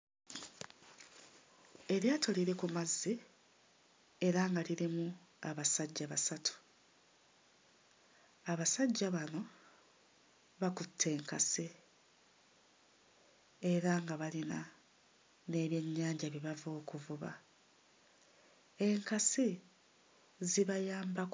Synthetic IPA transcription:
e̞ɾjaːtʰo̞liɾe̞kumazːi | eɾaŋɡaliɾimu | aβasaɟːaβasatʰu̥ | aβasaɟːaβano̞ | βakutʰːe̞ːŋkasi | e̞ɾaŋɡaβalina | ne̞ːβje̞ɲːaːɲɟaβiβavo̞ːkuvuβa̰ | e̞ŋkasi | ziβajaːmbak

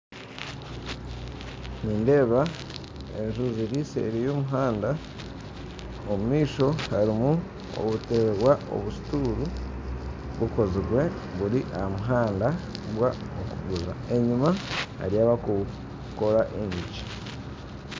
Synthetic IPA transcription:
niːnde̞ːβa | e̞̰nʒuziɾise̞̰ɾijo̞ːmuɦaːnda | omumiːʃo̞haɾimu | o̰βute̞βwaʔo̞̰βusi̥tuːɾu | βuko̞ziɡwe̞ | βuɾiʔaamuɦaːndaβwaokṵɡuza̰eɲimaha̰ɾijaːβaku | ko̞ɾaʔeɲici̥

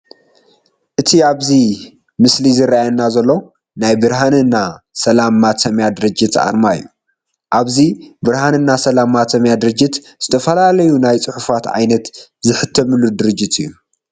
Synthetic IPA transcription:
ʔɨt̪ʰiaβzi | mɨslizɨɾajnːazɐlːo | najbɨɾɦanɨnːasɐlamːat̪ɐmjad̪ɨɾɨd͡ʒːɪt̪a̰ɾmajːu | ʔaβzibɨɾhanɨnːasɐlamat̪ʰɐmjad̪ɨɾɨd͡ʒːɨt̪ | z̥ɨt̪ʰɐfɐlalɐjunajt͡sʼɨħufat̪ʕa̰jnɐt̪zɨħɨt̪ʰːɐmɨlːud̪ɨɾɨd͡ʒːɪt̪ɨjːu

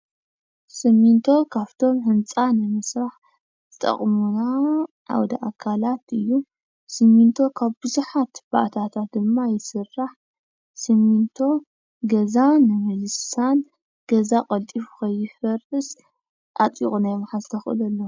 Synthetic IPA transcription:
sɨmint̪ʰo̞kʰaβt̪ʰo̞mhɨnt͡sʼanɨmɨsɾaħ | zɨt̪ʼɐ̰χʼmuna | ʔa̰wd̪aʔakʰalat̪ɨjːu | sɨmint̪ʰo̞kʰaβbɨzuħat̪b̥a̰ʔt̪ʰat̪ʰat̪̚d̪ɨmːajɪsɨrːaħ | sɨmint̪ʰo̞ | ɡɐzanɨmɐzɨsan | ɡ̥ɐzaqʼɐlt̪ʼifu̥xɐjːɪfɐɾɨs | ʔat͡sʼḭkʼunajmaħazɨt̪ʰɐxʔɨ̰lɐlːo

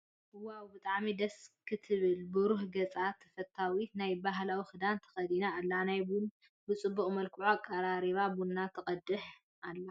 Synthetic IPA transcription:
ʔɨwawbɨt̪ʼaʕmid̪ɐskʰɨt̪ʰɨβɨlbɨɾuħɡɐt͡sʼat̪ʰɐfɐt̪ʰːawinajbaɦlawixɨd̪ant̪ʰɐ̥xɐd̪inaːlːanajbun | bɨt͡sʼɨbːuχʼmɐlkʰɨʕuakʼːaɾaɾiβabunːat̪ʰɐχʼɐd̪ɨħ | ʔalːa

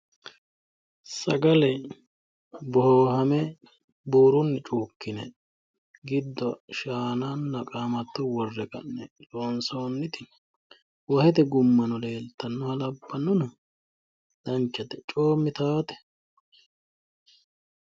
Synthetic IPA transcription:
sɐ̰ɡɐlɛ | bɔhoːɦɐmɛ | buːɾʊnːɛt͡ʃʼuːkːɪnɛ̰ | ɡɪd̪ːɔʃaːnaːnːɐkʼaːmɐt̪ːɔwɔrːɛkɐ̰nːɛloːnsoːnːɪt̪ɪ | wɐhɛt̪ɛɡʊmːɐnɔle̞ːlt̪ːɐnːɔhɐlɐbːɐnːʊnɐ | d̪̥ɐnt͡ʃːɐt̪ɛt͡ʃʼoːmːɪt̪aːt̪ɛ̥

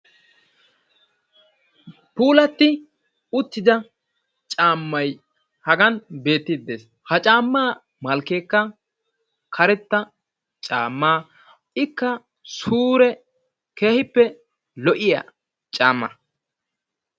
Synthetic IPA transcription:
puːlɐt̪ːɪ | ʊt̪ːɪd̪ɐ | t͡ʃʼaːmːɐj | hɐɡɐnbe̞ːt̪ːɪd̪ːeːs | hɐt͡ʃʼaːmːaː | mɐlkeːkːɐ | kʰɐɾɛt̪ːɐ | t͡ʃʼaːmːaː | ɪkːɐ | suːɾɛ | ke̞ːhɪpːɛ | lɔʔɪja̰ | t͡ʃʼaːmːɐ

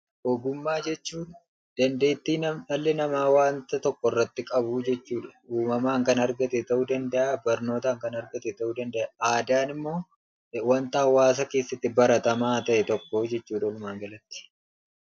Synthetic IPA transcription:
ʔoɡʊmːaːd͡ʒɛt͡ʃːuːn | d̪̥ɐnd̪e̞ːt̪ːiːnɐmɐlːɛnɐmaːwaːnt̪ɐt̪ɔkːɔrːɐt̪ːɪkʼɐbud͡ʒɛt͡ʃːuːᶑɐ̥uːmɐmaːŋkɐnɐɾɡɐt̪ɛt̪ɐʔud̪ɐnd̪ɐʔaːbɐɾno̞ːt̪aːŋkɐnɐɾɡɐt̪ɛt̪ɐʔud̪ɐnd̪ɛʔaʔaːd̪aːnɪmːo̞ː | wɐnt̪aːwaːs̬ɐke̞ːsːɐt̪ːɪbɐɾɐt̪ɐmaːt̪ɐʔɛt̪ɔkːo̞ːd͡ʒɛt͡ʃːuːᶑɐlʊmaːŋɡɐlɐt̪ːɪ̥

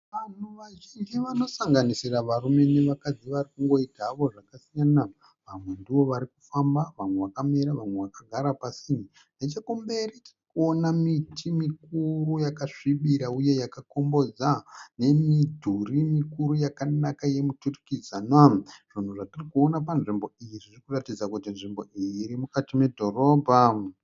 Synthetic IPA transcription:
ʋan̤uʋaʒind͡ʒiʋano̞saŋɡanisiraʋarume̞neʋakad͡ziʋarikuŋɡo̞itaːʋo̞ʐakasijana | ʋamwe̞ndiwo̞ʋaɾikufambaʋamwe̞ʋakameɾaʋamweʋakaɡʱaɾapasin | net͡ʃakumbe̞ritirikuonamitʰimikurujakaʂiɓiɾauje̞jakako̞mbo̞d͡zane̞midʱurimikuɾujakanakaje̞muturikizanwaʐ̥on̤uʐatirikuonapanʐimbo̞ijiririkuratid͡zakutinʐimbo̞ʔiiːɾimukatime̞dʱo̞ro̞ːbʱa

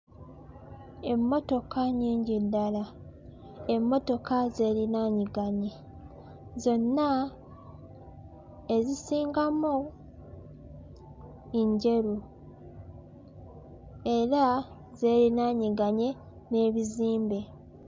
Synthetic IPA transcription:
e̞mːo̞to̞kaɲiːɲɟidːala | emːo̞to̞kaze̞ːɾinaːɲiɡaɲe | zo̞nːa | e̞zisiːŋɡamu | iɲɟe̞ɾu | e̞ɾa | ze̞ːɾinaːɲiɡaɲe̞ | ne̞ːβiziːmbe̞

